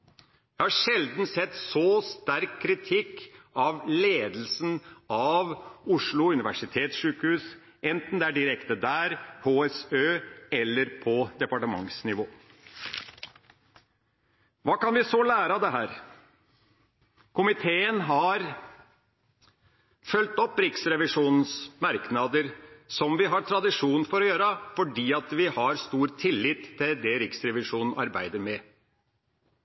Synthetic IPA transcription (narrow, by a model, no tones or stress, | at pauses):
jæhɑʂɛld̪n̩sɛt̪ːsɔst̪æɾkʰːɾɪt̪ʰɪkːɑʋleːd̪lsnɑʋʊʂɭʊʉnɪʋæʂɪt̪ʰeːt̪sʂʉːkhʉːs | ʔɛnt̪n̩d̪ɛæɖɪɾɛkt̪əd̪æːɾhoːɛsøːɛlːəɾpʰɔd̪ɛpɑʈəmɑ̰ŋsnɪʋoː | ʋɑːkɑnʋɪsoːlæːɾɑd̪ɛɦæːɾ | kʰʊmɪt̪ʰeːənɦɑɾ | fœlt̪ɔpːɾɪksɾɛʋɪʂuːnn̩smɑɾknɑd̪əɾsɔmʋɪɦɑʈ̪ʰɾɑd̪ɪʂuːn̩fɔɾɔjøːɾəfɔɖiːɑt̪ʋɪhɑɾst̪uːɾt̪ʰɪlːɪt̪ʰːɪld̪ɛɾɪksɾɛʋɪʂuːnn̩ɑɾbæɪd̪əɾmɛ